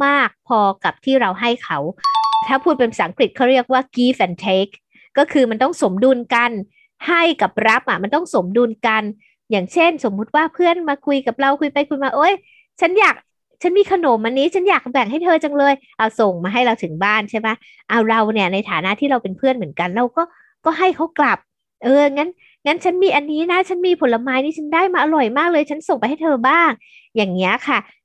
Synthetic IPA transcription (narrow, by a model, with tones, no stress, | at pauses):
maː˥˩k̚pʰɔː˧ka˨˩p̚t̪ʰiː˥˩ɾa˧wɦa˥˩jkʰa˦˥wt̪ʰaː˥˩pʰuː˥˩t̪̚pe˧nsa˩˦ŋkɾi˨˩t̪̚kʰɔː˥˩ɾi˥˩ək̚waː˥˩kiː˦˥˩fɛ˧˩nt̪ʰe˦˥k̚ː | ɔː˥˩kʰɯː˧ma˧nt̪ɔ˥˩ŋso˨˩˦mduː˧nka˧n | ha˥˩jka˨˩p̚ɾa˦˥p̚ʔa˨˩ma˧nt̪ɔ˥˩ŋso˨˩˦mdu˧nka˧n | jaː˨˩ŋt͡ɕʰe˥˩nso˩˦mːu˦˥t̪̚waː˥˩pʰɯ˥˩ənmaː˧kʰu˧jka˨˩p̚ɾa˧wkʰu˧jpa˧jkʰu˧jmaː˧˥˩ʔoː˧˩j | t͡ɕʰa˦˥njaː˨˩k̚ | t͡ɕʰa˦˥nmiː˧kʰa˧noː˩˦mʔa˧nːiː˦˥t͡ɕʰa˦˥njaː˨˩k̚bɛ˨˩ŋɦa˥˩jt̪ʰɤː˧t͡ɕa˧ŋlɤː˧jʔa˧˩wso˨˩ŋmaː˧ɦa˥˩jɾa˧wt̪ʰɯ˨˩˦ŋbaː˥˩nt͡ɕʰa˥˩jma˦˥ | ʔa˧˩wɾa˧wni˥˩ɐna˧jt̪ʰaː˩˦na˦˥ʔt̪ʰiː˥˩ɾa˧wpe˧npʰɯ˥˩ənmɯ˩˦ənka˧nɾa˧wkɔː˥˩ | kɔː˥˩ɦa˥˩jkʰa˦˥wkla˨˩p̚ | ʔɤː˧a˨˩ŋːa˦˥n | ŋa˦˥nt͡ɕʰa˦˥nmiː˧ʔa˧nːiː˦˥na˦˥t͡ɕʰa˦˥nmiː˧pʰo˩˦la˧maː˦˥jnʰiː˥˩t͡ɕʰa˦˥ndaː˥˩jmaː˧ʔa˧ɾɔ˨˩jmaː˥˩k̚lɤː˧jt͡ɕʰa˦˥nso˨˩ŋpa˧jɦa˥˩jt̪ʰɤː˧baː˥˩ŋ | jaː˨˩ŋːi˦˥ɐkʰa˥˩